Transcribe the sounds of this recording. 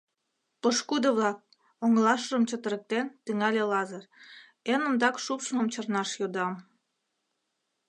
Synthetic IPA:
pəʃkud̪əβlɑk̚ | oŋlɑʃʒəmt͡ɕət̪əɾək̚t̪ent̪yŋɑlʲelɑzər | enə̆md̪ɑkʃupʃmə̆mt͡ɕərnɑʃjod̪ɑm

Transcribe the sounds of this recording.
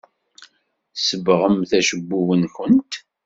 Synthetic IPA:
səbʁəmθæʃəbːuwənkənt̪

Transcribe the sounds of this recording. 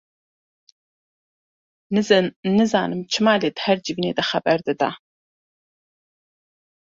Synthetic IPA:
nɨzɐnɨza̰ːnɨmt͡ʃʰɨmaːleːd̪hɐrd͡ʒivneːd̪ɐχɐbɐrd̪ɨd̪a̰ː

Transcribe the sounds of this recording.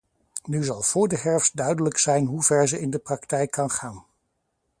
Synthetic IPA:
nyzɑlˠv̥ʊːɹdəɦɛɹfsdœɥdələksɛjnɦuvɛɹzəʔɪndəprɑktɛjkʰːɑnχaːn

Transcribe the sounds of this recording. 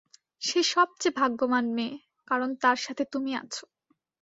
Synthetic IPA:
ʃeʃɔb̚t͡ɕebʱaɡːomanme | kaɾont̪aɾʃat̪ʰet̪umia̰t͡ɕʰo̥

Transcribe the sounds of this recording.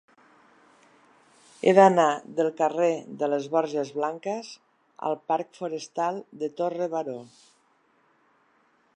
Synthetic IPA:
eðanaðəlˠkəreðələzβɔɾʒəzβlaŋkəz | ə̰lˠpaɾkfuɾəst̪alˠd̪ət̪orəβaɾo

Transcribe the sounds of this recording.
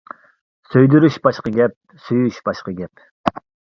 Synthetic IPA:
søjd̪yɾyʃbɑʃqəɡʲɛp̚ | syjyʃbɑʃqəɡʲɛp

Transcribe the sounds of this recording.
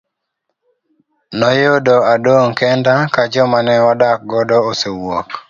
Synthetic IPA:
nɔjodoadoŋkɛndakad͡ʒɔmanɛɔdak̚ɡɔdɔosewɔk

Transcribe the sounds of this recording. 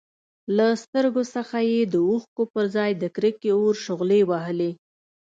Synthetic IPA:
last̪əɾɡosəxajed̪əuxkopəɾzɑjd̪əkɾəkeoɾʃʊɣlewaɦəle

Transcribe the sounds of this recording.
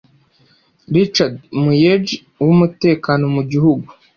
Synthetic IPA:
ɾit͡ʃadmujed͡ʒ | wumute̞ːkaːno̞muɟihuɡu

